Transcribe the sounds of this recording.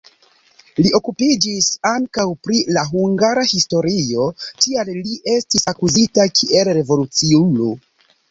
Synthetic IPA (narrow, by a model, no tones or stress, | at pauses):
lio̞kupid͡ʒisaŋkawpɾilaɦuŋɡaɾahisto̞ɾio̞tialliʔe̞stisakuzitakʰiʔe̞lɾe̞vo̞lut͡siulo